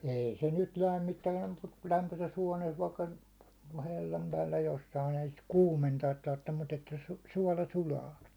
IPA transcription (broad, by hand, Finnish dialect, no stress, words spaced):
ei se nyt læmːitːæː mut kul læmpøses huɒneːs ʋɑikːɑ helːɑm pæːlːæ josːɑin ei sit kuːmentɑːt tɑrtːem mut etːæ su suɒlɑ sulɑː